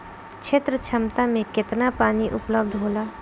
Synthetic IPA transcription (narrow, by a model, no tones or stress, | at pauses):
t͡ʃʰet̪ɾət͡ʃʰɐmt̪amẽkɪt̪napaːniʔʊpləbd̪ʱɦoːlaː